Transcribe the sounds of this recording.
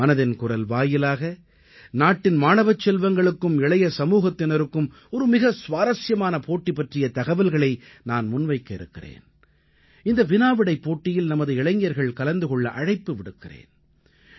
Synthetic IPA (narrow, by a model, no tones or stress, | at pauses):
mɐnɐðɪnkʊrɐlʋaːjɪlaːɣɐ | naːʈːɪnmaːnɐʋɐt͡ʃːɛlʋɐŋɡɐɭɯkːɯmɪɭɐjɐsɐmuːɣɐt̪ːɪnɐɾɯkːɯm | ɔɾɯmɪɣɐsʋaːɾɐsjɐmaːnɐpoːʈːipːɐʈrɪjɐt̪ɐɣɐʋɪlɣɐɭɐɪ | naːnmʊnʋɐɪkːɐɪ̰ɾɯ̰kːɪrḛːn | ɪnd̪ɐʋɪnaːʋɪɽɐɪpːoːʈːɪjɪlnɐmɐðɯɪɭɐŋjɐɾɣɐɭkɐlɐnd̪ɯɣɔɭːɐʔɐɻɐɪpːɯʋɪɽɯkːɪrḛːn